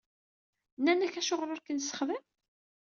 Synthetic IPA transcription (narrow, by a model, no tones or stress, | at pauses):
nːænəçæʃoʁɾʊɾkənsə̥χðəm